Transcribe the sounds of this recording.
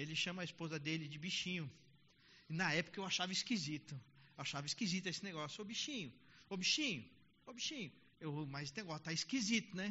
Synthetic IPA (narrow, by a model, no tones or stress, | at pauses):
elɪʃɐ̃mɐɐispozɐd̪elɪd͡ʒɪbiʃĩɲʊ | ɪnɐɛpʊ̥kɐewaʃavɐiskizit̪ʊewaʃavɐiskizit̪ʊesɪneɡɔsjʊobiʃĩɲʊobiʃĩɲʊ | obiʃĩɲʊ | ewmajzɪneɡɔst̪aiskizit̪ʊnɛ